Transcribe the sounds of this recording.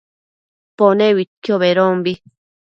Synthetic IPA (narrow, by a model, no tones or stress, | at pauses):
ponewit̪̚kjoβeɾombi